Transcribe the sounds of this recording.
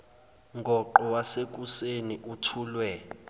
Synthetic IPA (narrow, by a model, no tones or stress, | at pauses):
ŋɡʱɔǃɔwasek̬useniʔutʰuːlwɛ